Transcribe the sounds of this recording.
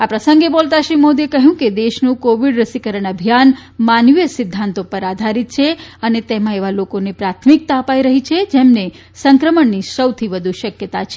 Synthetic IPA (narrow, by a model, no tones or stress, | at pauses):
apɾəsə̃ŋɡebolt̪aʃɾimod̪iekəɦjũked̪eʃnũkoʋiɽɾəsikəɾəɳ̃əbʱijanmanʋijəsɪd̪ʱːãnt̪opəɾad̪ʱaɾit̪̚t͡ʃʰeənet̪emãeʋalokonepɾat̪ʰmik̚t̪aəpaiɾəɦit͡ʃʰed͡ʒemne | sə̃ŋkɾəməɳnisəwt̪ʰiʋəd̪ʱuʃəkjət̪at͡ʃʰe̥